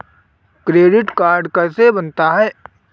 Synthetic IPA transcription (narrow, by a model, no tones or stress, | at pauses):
kɾeːɖɪʈkaːɾɖkɛːsebənt̪aɦɛː